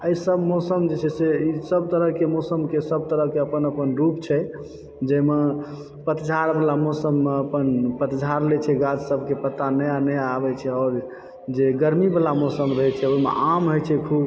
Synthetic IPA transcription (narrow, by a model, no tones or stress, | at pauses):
əjisəbmosəmd͡ʒet͡ʃʰɛseisəb̚t̪əɾəɦkemosəmkesəb̚t̪əɾəɦkeəpənəpənɾupt͡ʃʰɛ | d͡ʒəme | pət̪d͡ʒʱaɾbelamosəmːeəpənpət̪d͡ʒʱaɾlɛt͡ʃʰɛɡad͡ʒsəbʱkepət̪anəjanəjabɛt͡ʃʰɛɔːɾ | d͡ʒeɡəɾmibəlamosəmɾəɦɛt͡ʃʰɛojmḛʔamɦojt͡ʃʰɛkʰub